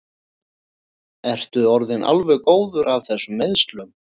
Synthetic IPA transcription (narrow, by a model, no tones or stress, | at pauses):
ɛr̥t̪ʏɔɾðɪnʔa̰lvɛɣkoːwðʏɾav̥θɛsːʏmːeðst̪lʏm